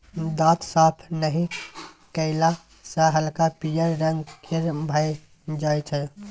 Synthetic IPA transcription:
d̪ãt̪sapʰnəɦĩ | kəɪla | saɦəlkapijəɾːəŋɡkʰeɾbʱaj | d͡ʒajt͡ʃʰɛ

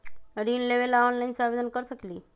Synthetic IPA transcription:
ɾiːnleʋelaɔnlajnsaʋed̪ənkəɾsəkliː

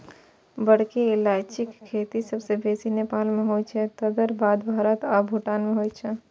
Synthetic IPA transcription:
bəɽkeɪlaːt͡ʃɪkkʰːeːt̪isɐbsebeːsineːpaːlmẽɦoːit͡ʃʰɛt̪ɐd̪əɾbʱaːd̪bʱaːɾət̪aːbʱuʈaːnmẽɦoːit͡ʃʰɛ

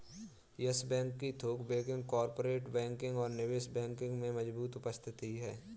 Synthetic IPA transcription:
jəsbɛ̃ːŋkːit̪ʰoːkbẽːkɪ̃ŋɡkɔːɾpoːɾeːʈbɛ̃ːŋkɪ̃ŋɡɔːɾnɪʋeːsbɛ̃ːŋkɪ̃ŋɡmẽmɐd͡ʒbuːt̪ʊpəst̪ʰɪt̪iɦɛː

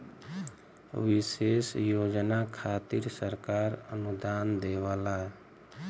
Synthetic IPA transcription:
ʋɪseːsjoːd͡ʒnakʰaːt̪iɾsəɾkaːɾə̰nud̪aːnd̪eʋala

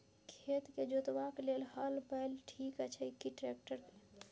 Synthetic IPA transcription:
kʰet̪ked͡ʒot̪ʋaklelɦəlbəlʈʰikət͡ʃʰəikiʈɾek̚ʈəɾk

